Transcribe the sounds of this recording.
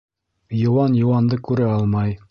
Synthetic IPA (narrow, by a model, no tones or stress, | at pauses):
jŏwɑnjŏwɑnd̪ɤkʉɾæɑlˠmɑj